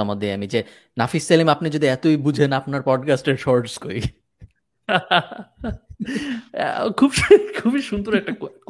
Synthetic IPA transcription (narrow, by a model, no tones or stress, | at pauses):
ɔmod̪eamid͡ʑe | nafisːelimapnid͡ʑod̪iɛt̪ojbud͡ʑʱenapnaɾpɔɖkasʈeɾʃɔɾɖskoj | kʰubkʰubiʃund̪oɾɛk̚ʈak